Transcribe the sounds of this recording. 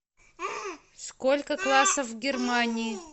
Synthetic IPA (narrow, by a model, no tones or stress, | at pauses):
skolʲkəklˠasəfvɡʲɪrmanʲɪɪ